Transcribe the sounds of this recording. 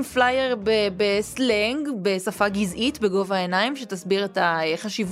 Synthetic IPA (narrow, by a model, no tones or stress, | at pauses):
mflajeʁbebesleŋɡbesafaɡizʔitbeɡo̞vaenaimʃetasbiʁetaeχaʃiv